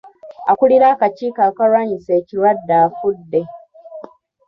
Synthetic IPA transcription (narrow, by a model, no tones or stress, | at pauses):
a̰kuɽiɾaːkat͡ʃiːkakaɾwaɲiseciɾadːafudːe